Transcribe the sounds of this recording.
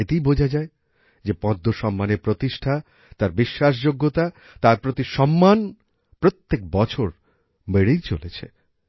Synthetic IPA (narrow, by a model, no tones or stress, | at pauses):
et̪ijbod͡ʑʱad͡ʑae | d͡ʑepɔ̃d̪ʱːoʃɔmːaneɾpɾot̪iʃʈʰa | t̪aɾbiʃːaʃ̬d͡ʑoɡːot̪a | t̪aɾpɾot̪iʃɔmːan | pɾot̪ːek̚bɔt͡ɕʰoɾ | meɽejt͡ɕolet͡ɕʰḛ